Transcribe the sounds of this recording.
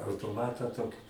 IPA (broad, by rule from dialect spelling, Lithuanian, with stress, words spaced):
ɐʊtoːˈmɑːtɑː ˈtoːkʲɪ